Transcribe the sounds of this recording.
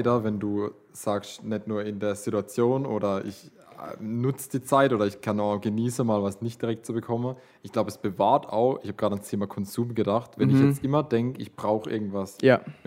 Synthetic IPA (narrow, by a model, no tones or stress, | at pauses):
dɐvɛnduː | z̥aːksnɛtnuːɐɪndeːɐz̥ituat͡sjoːnʔoːɾɐʔɪ̰ç | nʊt͡səd̥iːt͡saɪtʔoːɾɐɪçkʰanɡ̥əniːsəmaːlvasnɪçt̚d̥iʁɛk̚tt͡subəkʰɔmən | ʔɪçɡ̥laʊbəɛsb̥əvaːɐtʰa̰ʊxʔɪçhaːbɡʁaːdəanstʰeːmakʰɔnzuːmɡədaχtvɛnɪçjɛt͡stʔɪmɐd̥ɛŋkɪçb̥ʁaʊxʔɪ̰ɐɡŋ̩tv̥asja